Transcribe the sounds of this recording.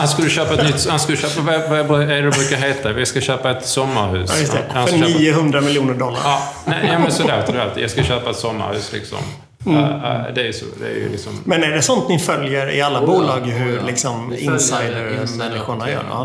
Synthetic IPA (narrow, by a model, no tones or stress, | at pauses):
hanskɵlːəɕøːpaɛt̪nʏt̪ːhanskɵlːəɕøːpavavabɛɖɛɛbɾʉːkaɾɦeːt̪avɪskaɕøːpaɛt̪sɔmːaɾɦʉ̟̰ːsːjɵstt̪ɛhanniːəɦɵnd̪ɾamɪljuːnəɖɔlːa̰ɾnɛuːmɛnsɔloːt̪əɾɖɛa̰lt̪ʰḭjɑɡskaɕøːpaɛt̪sɔmːa̰ɾhʉ̟ːslɪ̰ksɔ̰mː | d̪ɛæɾjso̰d̪ɛ̰æ̰ɾj̰lɪksɔmmɛnæɖɛsɔnt̪nɪfœljəɾɪ̰alːabuːlɑːɡɦɵɾlɪksɔmɪsajd̪əɾmɛnːɪɧʊɳajœ̰ː